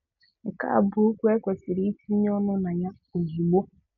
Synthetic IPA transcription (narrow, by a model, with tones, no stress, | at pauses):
ŋ̩˨ka̰˦a̰˨bʊ˨˦u˦kʷe˦kʷe˨si˨ɾi˦i˦ti˦ɲ˦ɔ˦nʊ˦na˨ɲa˦ | o˨zi˨ɡ͡bo˦